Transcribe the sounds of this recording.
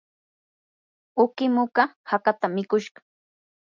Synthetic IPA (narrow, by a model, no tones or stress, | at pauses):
ʊkɪmʊkahakat̪amɪkʊʃɢɑ̥